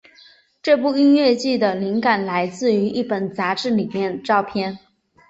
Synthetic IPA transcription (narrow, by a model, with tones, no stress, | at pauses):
ʈ͡ʂɤ˥˧p̬u˥˧i˥nɥɛ˥˧t͡ɕi˥˩d̪ə˩li˧˥ŋka˨˩nla˧˥ɪt͡sɹ̩˥˩y˧˥ʔi˥˩pə˨˩nt͡sa˧˥ʈ͡ʂɻ̩˥˩li˨˩mjɛ˥˧nʈ͡ʂɑ˥˧ʊpʰjɛ˥˧n